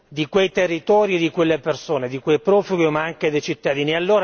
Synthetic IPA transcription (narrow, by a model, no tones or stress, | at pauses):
d̪ikwejt̪erːit̪ɔːɾjid̪ikwelːepersoːned̪ikwejpɾɔːfuɡimaaŋked̪ejt͡ʃit̪ːad̪iːnialːoːɾa